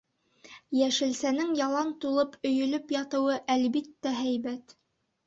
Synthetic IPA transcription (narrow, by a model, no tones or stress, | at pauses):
jæʃɘ̆lsænɘŋjɑlˠɑnt̪ulˠɤpʰɵ̆jɵ̆lɵpjɑt̪ɤ̆wɤʔælbit̪ːæɦæjbæt̪